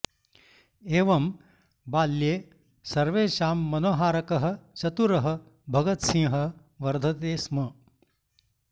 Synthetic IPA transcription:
eːʋɐm | baːlːjeː | sɐɾʋeːʃaːmːɐnoːɦaːɾɐkɐɦɐ̆t͡ʃɐt̪uɾɐɦɐ̆ | bʱɐɡɐt̪sĩŋɦɐ | ʋɐɾd̪ʱɐt̪eːsmɐ

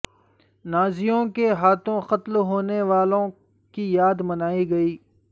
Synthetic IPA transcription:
naːzijõkeɦaːt̪ʰõxɐt̪lɦoːneʋaːlõ | kijaːd̪mɐnaːiɡɐiː

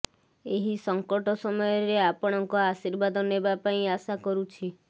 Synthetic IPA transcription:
eɦisɔŋkɔʈɔsɔmɔjɔɾeapɔɽ̃ɔŋkɔasiɾbad̪ʱɔnebapaĩasakɔɾut͡ʃʰi

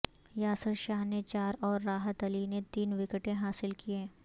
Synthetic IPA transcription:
jaːsəɾʃaːɦnet͡ʃaːɾɔːɾːaːɦət̪ɐlinet̪iːnʋɪkəʈẽɦaːsɪlkiẽː

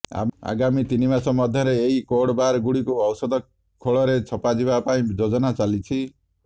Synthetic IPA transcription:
a̰a̰ɡamit̪inimasɔmɔd̪ʱjɔɾeːɦikoɽɔbaɾɡuɽikuɔwsɔd̪ʱɔ | kʰoɭɔɾet͡ʃʰɔpad͡ʒiβapaĩd͡ʒod͡ʒɔnat͡ʃalit͡ʃʰi

